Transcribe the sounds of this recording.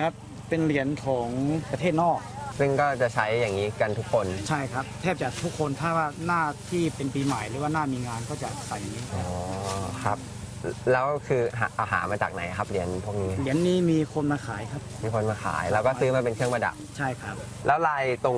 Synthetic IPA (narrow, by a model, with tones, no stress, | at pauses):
kʰa˦˥p̚ | pe˧nli˨˩˦ənkʰɔː˩˦ŋpɾa˧eː˥˩t̪̚nɔː˥˩k̚sɯ˥˩ŋkɔː˥˩t͡ɕa˨˩t͡ɕʰa˦˥jːaː˨˩ŋːiː˦˥ka˧nt̪ʰu˦˥kʰːo˧nt͡ɕʰa˥˩jkʰa˦˥p̚t̪ʰɛː˥˩p̚t͡ɕa˨˩t̪ʰu˦˥kʰːo˧nt̪ʰaː˥˩waː˥˩naː˥˩t̪ʰiː˥˩pe˧npiː˧ma˨˩jɾɯː˨˦waː˥˩naː˥˩miː˧ŋaː˧nkɔː˥˩t͡ɕa˨˩sa˨˩ji˦˥ʔːkʰa˦˥p̚lɛː˦˥wkʰɯː˧ɦa̰˨˩ʔa˧˩wɦa̰ː˩˦maː˧t͡ɕa̰ː˨˩k̚na̰˩˦jkʰa˦˥p̚li˨˩˦ənpʰu˥˩ək̚niː˦˥li˨˩˦ənːiː˦˥miː˧kʰo˧nmaː˧xʰaː˩˦jkʰa˦˥p̚miː˧kʰo˧nmaː˧xʰa̰ː˩˦jlɛː˦˥wkɔː˥˩sɯː˦˥maː˧˩pe˧nkʰɯ˥˩əŋma˧da̰˨˩p̚t͡ɕʰa˥˩jkʰa˦˥p̚ | lɛː˦˥wlaː˧jt̪o˧ŋ